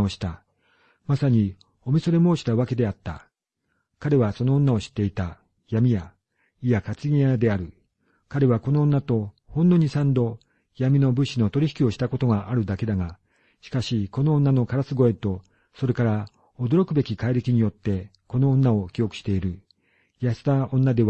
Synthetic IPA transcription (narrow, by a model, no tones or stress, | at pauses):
oɕi̥t̪a | masaɲ̟i | o̞mʲiso̞ɾe̞mo̞ːɕi̥t̪aβake̞d̪e̞at̪ːa̰ | kaɾe̞βaso̞no̞ːnːao̞ɕi̥t̪ːe̞it̪a | jamʲija | ijakat͡sɨɡʲĩjad̪e̞aɾɯ̟ | kaɾe̞βako̞nõ̞ːnːat̪o̞ | hõ̞nːo̞ɲ̟isãnd̪o̞ | jamʲino̞bɯ̟ɕino̞t̪o̞ɾʲiçi̥kʲio̞ɕi̥t̪ako̞t̪o̞ŋaʔaɾɯ̟d̪ake̞d̪aŋa | ɕi̥kaɕiko̞nõ̞ːnːano̞kaɾasɨɡo̞e̞t̪o̞ | so̞ɾe̞kaɾa | od̪o̞ɾo̞kɯ̟be̞kʲikaiɾe̞kʲiɲ̟ijo̞t̪ːe̞ | ko̞nõ̞ːnːao̞kʲio̞kɯ̟̥ɕi̥t̪e̞iɾɯ̟ | jast̪aõ̞nːad̪e̞